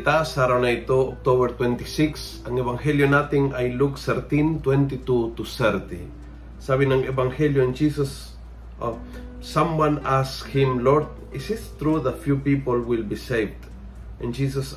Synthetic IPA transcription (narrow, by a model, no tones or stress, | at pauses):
t̪asaɾaõnajt̪oɔk̚t̪oβəɾt̪wɛ̃nt̪isɪks | ãŋevãŋheljonat̪ĩŋajluksəɾt̪ĩnt̪wɛ̃nt̪it̪ut̪usɛɾt̪ḭ | saβĩŋãŋevãŋheljoɪ̃nd͡ʒisas | sãmwãnashɪ̃mlɔɾd̪̚ | ɪsɪst̪ɾuðatfjupipolwilbiseɪvd̪ | ɛ̃nd͡ʒis̬as